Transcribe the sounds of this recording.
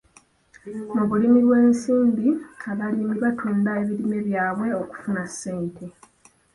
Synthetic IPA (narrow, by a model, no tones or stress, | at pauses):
muβulimiɾwe̞ːnsiːmbiaβalimiβatʰuːndae̞βilimeβjaːβwe̞o̞ku̥funasːe̞ːntʰe̞